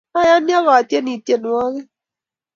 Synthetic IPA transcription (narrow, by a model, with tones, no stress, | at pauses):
a˦ja˦njɔ˦ɣɔ˨a˨tje˦ni˨te˨n˨ɔ˦ɣɛ˦